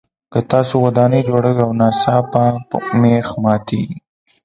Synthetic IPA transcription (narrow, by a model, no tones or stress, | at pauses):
kət̪ɑsowad̪ɑned͡ʒoɽawiawnɑsɑpamexmɑt̪i